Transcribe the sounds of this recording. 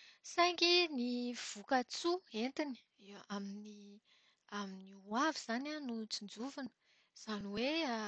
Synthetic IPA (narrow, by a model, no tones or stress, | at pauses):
sajŋkiniv̥ukət͡suent̪ini̥ | amini | aminiuaviz̥ananut͡sind͡zuvanə̥ | z̥aniwe